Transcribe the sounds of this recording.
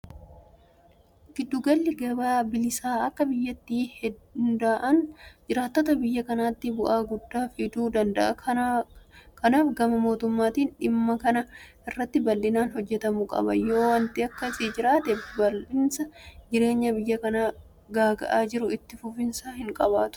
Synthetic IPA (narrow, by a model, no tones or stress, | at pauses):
ɡ̥ɪd̪ːʊɡɐlːɪɡɐbaːbɪlɪsaːɐkːɐbɪjːɐt̪ːiːhɛnd̪aːʔɐnd͡ʒɪɾaːt̪ːoːt̪ɐbɪjːɐkɐnaːt̪ːɪbʊʔaːɡʊd̪ːaːfɪd̪uːd̪ɐnd̪ɐʔɐ̰ | kɐnaːfɡɐmɐmo̞ːt̪ʊmːaːt̪iːnᶑɪmːɐkɐnɐʔɪrːɐt̪ːɪbɐlːɪnaːnɦɔd͡ʒːɛt̪ɐmʊkʼɐ̰bɐ̰jo̞ːwɐnt̪ɪɐkːɐsiːd͡ʒɪɾaːt̪ɛbɐlːɪnsɐd͡ʒɪɾe̞ːɲːɐbɪjːɐkɐnaː | ɡaːɡɐ̰ʔaːd͡ʒɪɾʊɪt̪ːɪfʊfɪnsaːhɪŋkʼɐbaːt̪ʊ̥